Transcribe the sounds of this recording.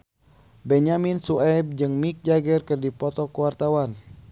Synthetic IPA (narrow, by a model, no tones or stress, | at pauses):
bɛɲaminsuɛb̚d͡ʒɨŋmik̚d͡ʒaɡɛrkɨrdipɔt̪ɔkuwart̪awan